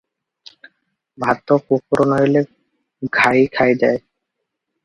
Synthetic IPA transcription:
bʱat̪ːokukɾonɔjle | ɡʱaikʰajd͡ʑae

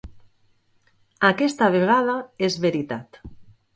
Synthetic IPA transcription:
akest̪aβ̞eɣ̞aðaezβeɾit̪at̪

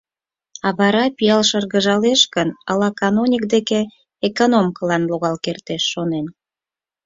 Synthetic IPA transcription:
ɑβɑɾɑpijɑlʃərɣəʒɑleʃkənɑ̰lɑkɑnomʲik̚d̪ekeː | konomkəlɑnloɣɑlkert̪eʃːonen

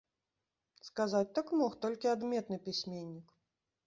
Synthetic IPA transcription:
skazat͡sʲt̪ɐkmɔxt̪ɔlʲkʲiad̪mʲɛt̪nɨpʲisʲmʲenʲːik

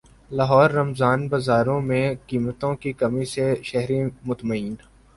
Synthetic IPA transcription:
laːɦɔːɾːɐmzaːnbɐzaːɾõmẽkiːmət̪õkikɐmiseʃɐɦɾimʊt̪məiːn

